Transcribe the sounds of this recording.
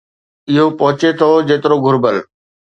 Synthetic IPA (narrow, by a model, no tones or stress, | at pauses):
ɪɦopɐɦʊt͡ɕet̪ʰod͡ʑeːt̪ɪɾoɡʱʊɾbəl